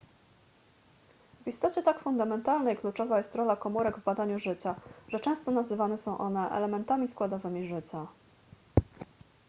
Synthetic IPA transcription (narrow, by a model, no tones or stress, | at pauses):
vist̪ɔt͡ɕɛt̪akfund̪amɛnt̪alnɛjklut͡ʂɔvajɛst̪ɾɔlakɔmuɾɛɡvbad̪aɲuʐɘt͡ɕaʐ̥ɛt͡ʂɛ̃w̃st̪ɔnazɘvanɛsɔ̃w̃ʔɔnɛʔɛ̰lɛmɛnt̪amʲiskwad̪ɔvɘmʲiʐɘt͡ɕa